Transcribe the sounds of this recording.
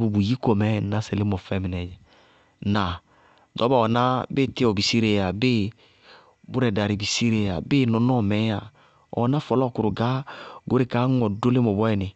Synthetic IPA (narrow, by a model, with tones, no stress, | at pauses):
bu˨bu˨ji˦kɔ˨mɛ˦na˦sɛ˨lɪ˦mɔ˨fɛ˦mɪ˨nɛ˨d͡ʒɛ˨ | na˨ | dɔ˨˦ba˦˨ɔ˨na˦bɪ˦˨tɪ˦ɔ˨bi˨si˦ɾe˨ja˨bɪ˦ | bʊ˦ɾɛ˨da˨ɾi˨bi˨si˦ɾe˨a˨bɪ˦nɔ˨nɔ˦˨mɛ˨˦a˨ | ɔ̰˨˦na˦fɔ˨lɔ˦˨kʊ˨ɾʊ˨ɡa˦ɡo˨˦ɾe˨ka˨˦ŋɔ˨do˦lɪ˦mɔ˨bɔ˦ɛ˨nɪ˨